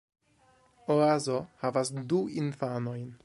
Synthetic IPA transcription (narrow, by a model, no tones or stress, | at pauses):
oazo̞havasduinfano̞jn